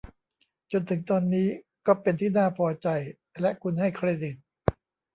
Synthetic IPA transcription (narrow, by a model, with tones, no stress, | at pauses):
t͡ɕo˧nt̪ʰɯ˩˦ŋt̪ɔː˧nːiː˦˥ | kɔː˥˩pe˧nt̪ʰiː˥˩naː˥˩pʰɔː˧t͡ɕa˧j | lɛ˦˥ʔkʰu˧nha˥˩jkʰɾeː˧di˨˩t̪̚